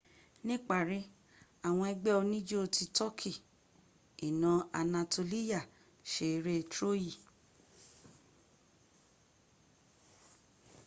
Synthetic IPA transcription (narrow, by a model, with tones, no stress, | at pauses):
nĩ˦k͡pa˦˨ɾi˨˦ | a˨w̃ɔ̃˧ɛ˧ɡ͡bɛ˦o˧nĩ˦d͡ʒo˦o˧ti˧tɔ˦kʰi˦˨ | i˨nã˨˧a˨˧nã˧to˧li˦ja˦˨ | ʃe˧˨˧ɾe˦˧tɾo˦ji˦˨